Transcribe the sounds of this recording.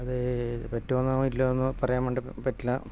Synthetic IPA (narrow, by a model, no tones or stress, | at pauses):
ɐðɨpɐtːuʋɐnːaːmuilːoenːɨpɐrɐjaːmeɳɖɨpɐtːila